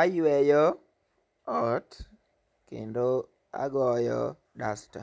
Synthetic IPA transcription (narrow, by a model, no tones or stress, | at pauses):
ajwɛjɔ | ɔt | kḛndo | a̰ɡɔjɔ̰ | dasta̰